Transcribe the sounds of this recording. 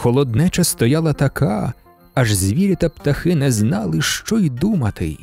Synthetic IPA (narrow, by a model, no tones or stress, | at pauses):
xɔlˠɔd̪nɛt͡ʃɐst̪ɔjɑlˠɐt̪ɐkʰa | ɐʒzʲʋʲiɾʲit̪ɐpt̪ɐxɪnɛznɑlˠɪʃt͡ʃɔjd̪umɐt̪ɪ̰j